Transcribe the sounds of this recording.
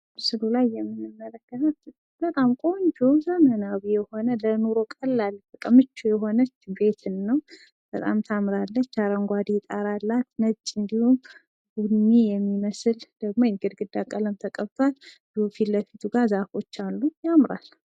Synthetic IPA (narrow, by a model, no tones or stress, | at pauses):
sɨlulajːɛmːɨnːɨmːələkːət̪ʰət̪ | b̥ət̪ʼamkʼo̞ɲd͡ʒozəmənawijɛho̞nələnoɾo̞kʼəlːalbəkʼəmɨt͡ʃːujɛɦo̞nət͡ʃːbe̞t̪ʰɨnːəw | b̥ət̪ʼa̰mt̪ʰamɾalːət͡ʃːaɾəŋɡʷad̪it̪ʼaɾalːat̪nət͡ʃʼːɨnd̪ihum | ɡunːijɛmːiməsɨld̪̥əɡ̚mo̞jɛɡɨɾɡɨd̪akʼələmt̪ʰəkʼəβt̪ʰwald̪ufiləfit̪ʰuɡazafo̞t͡ʃːalːujamɾa̰l